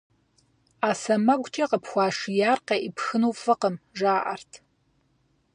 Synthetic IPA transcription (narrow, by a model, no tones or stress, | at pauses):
aːsɐmɐɡʷʼt͡ʃʼɐqəpʰxʷɑːʂijaːrqeʔipxɨnuːfɨqəmʒaːʔɐrtʰ